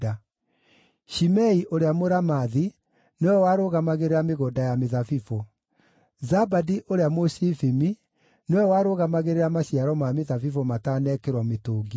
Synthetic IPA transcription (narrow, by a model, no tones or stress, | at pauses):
a | ʃimɛiʔoɾeamoɾamaði | newɛwaɾoɣamaɣeɾeɾameɣoːdajameðafifo | zabadiʔoɾeamoɕifimi | newɛwaɾoːɣamaɣeɾeɾamaɕiaɾɔmameðafifomatanɛkeɾwɔmetoːɡi